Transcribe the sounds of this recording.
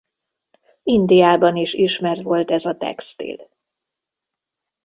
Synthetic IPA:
ind̪ijaːbɒniʃiʃmɛrt̪ʋo̞lt̪ɛzɒt̪ɛ̰kst̪ḭl

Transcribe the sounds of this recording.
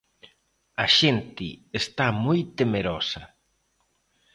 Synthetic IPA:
aʃent̪ɪest̪amojt̪emeɾɔsɐ

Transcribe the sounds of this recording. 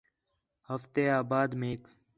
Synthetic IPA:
həft̪eːaːbaːd̪mẽːk

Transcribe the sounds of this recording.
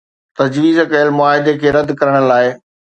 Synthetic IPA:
t̪ɐd͡ʑʋiːzkɐəlmʊaːɦɪd̪ekʰeːɾɐd̪kɐɾəɽ̃ə̆laːɪ

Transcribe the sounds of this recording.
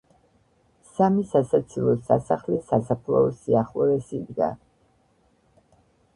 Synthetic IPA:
samisasat̪sʰilˠɔsasaχlisasapʰlˠɔ̰ɔsiaχlɔɾɛsid̪ɡa̰

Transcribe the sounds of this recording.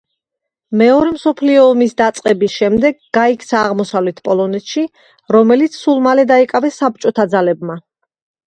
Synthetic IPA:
mɛɔɾɛmsɔpʰliɔːmisd̪at̪sʼqʼɛbisʃɛmd̪ɛɡːɡaikʰt̪sʰaːʁmɔsavlɛt̪ʰpʼɔlˠɔnɛt̪ʃi | ɾɔmɛlit̪sʰsulˠmalɛd̪aikʼavɛsːap̚t͡ʃʼɔt̪ʰad̪zalɛbma

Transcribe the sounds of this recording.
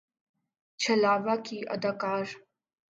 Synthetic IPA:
t͡ʃʰɐlaːʋakiʔɐ̰d̪aːkaːɾ

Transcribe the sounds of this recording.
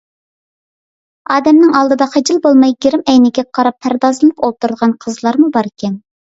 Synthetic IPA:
ɑːd̪ɛmnɪŋɑlˠd̪ɨd̪ɑχʰɑd͡ʒɨlˠbolˠmɑjɡʲeɾɪmɛjnɪɡʲɛqʰɑɾɑpʰːæɾd̪ɑzɨlˠɨpolˠt̪uɾd̪əʁɑnqʰəzlˠɑɾmubɑɾɪkʲʰɛn

